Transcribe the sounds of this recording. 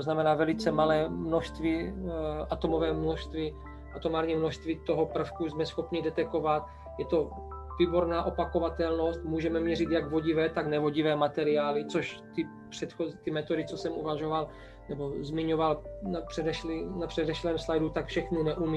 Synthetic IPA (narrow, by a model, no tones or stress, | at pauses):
t̪oznamɛnaːvɛlɪt͡sɛmalɛːmno̞ʃst̪viʔat̪o̞mo̞vɛːmnoʃst̪vɪ | ʔat̪omaːɾɲimnoʃst̪vɪt̪o̞ɦopr̩fkuzmɛsxo̞pɲɪdɛt̪ɛko̞vat̪̚ | jɛt̪o̞ | viːbo̞ɾnaːʔo̞pako̞vat̪ɛlno̞st̪muːʒɛmɛmɲɛrit̪jaɡvo̞ɟɪvɛːt̪aɡnɛvo̞ɟɪvɛːmat̪ɛɾɪaːlɪt͡soʃt̪ɪ | pr̥ɛt̪xozt̪ɪmɛt̪o̞dɪt͡sosɛmṵvaʒo̞val | nɛbo̞zmɪɲovalnapr̥ɛdɛʃlinapr̥ɛdɛʃlɛːmslajdut̪akfʃɛxninɛʔumi